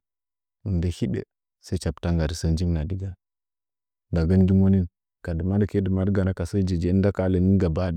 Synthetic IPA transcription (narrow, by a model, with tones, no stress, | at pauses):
u˨nde˨hi˦dḛ˨ | se˦t͡ʃa˨pta˦ŋɡa˨ɾi˨sə˦˨nd͡ʒi˦ŋna˨di˦ɡa˦ | da˨ɡə˦ndu˦mo˦ni˦n | ka˨də˨ma˦dke˦də˨ma˦dɡa˨na˦ka˨sə˦d͡ʒe˨d͡ʒe˨˦nda˦ka˨˦lə˨ni˦nɡa˨ba˦di˦